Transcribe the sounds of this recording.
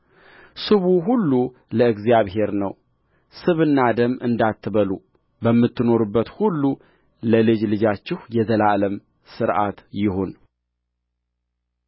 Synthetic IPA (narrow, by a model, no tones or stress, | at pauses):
sɨβuɦulːu | ləɨɡzjaβɦe̞ɾnəw | sɨβɨnːad̪əmɨ̰nd̪at̪ʰːɨβəlu | bəmːɨt̪ːɨno̞ɾubːət̪hulːu | ləlɨd͡ʒlɨd͡ʒat͡ʃːɪhjɛzəlaləm | sɨɾʔa̰t̪jɪho̞n